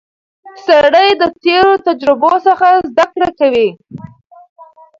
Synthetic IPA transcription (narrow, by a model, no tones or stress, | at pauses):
saɽəjd̪ət̪eɾot̪ad͡ʒɾɪbosəxazd̪akɽakawi